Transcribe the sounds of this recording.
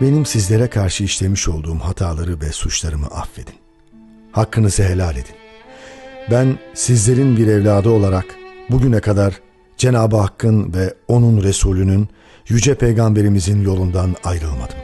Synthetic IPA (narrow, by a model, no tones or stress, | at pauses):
be̞nimsizlʲe̞ɾɛkʰaɾʃɯiʃlʲe̞miʃo̞lˠd̪uːmhat̪ʰaːlˠaɾɯvɛsut͡ʃlˠaɾɯmɯ̰ʔafːe̞d̪̥i̥n | hakːɯnɯzɯɦe̞lʲalʲe̞d̪in | bænsizlʲe̞ɾinbiɾɛvlʲaːd̪ɯo̞lˠaɾakbuɟynɛkʰad̪aɾ | d͡ʒe̞naːbɯɦakʰːɯnvɛo̞nunɾe̞suːlʲynyn | jyd͡ʒɛpʰe̞jɡambe̞ɾimizinjo̞lˠund̪anajɾɯlˠma̰d̪̥ɯm